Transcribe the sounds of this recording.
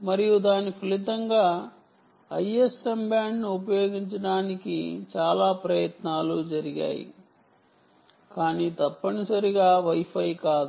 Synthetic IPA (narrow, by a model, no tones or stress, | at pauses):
mɐɾijud̪aːnipʰɐlit̪ɐŋɡaː | ɐjesembjaːɳɖniupɐjo̞ːɡiɲt͡ʃɐɽaːnikḭt͡ʃaːlaːpɾɐjɐt̪naːlud͡ʒɐɾiɡa̰ːjḭ | kaːniːt̪ɐpːɐɳisɐɾiɡaːʋɐjpʰɐjkaːd̪u